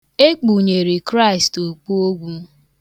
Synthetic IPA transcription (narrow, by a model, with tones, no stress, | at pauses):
e˦k͡pu˨ɲe˨ɾi˨kɾa˦i˨sto˨k͡pu˦o˦ɡʷu˦